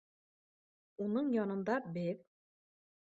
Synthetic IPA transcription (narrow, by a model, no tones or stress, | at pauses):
unɤɴjɒnɤ̆nd̪ɑbɘð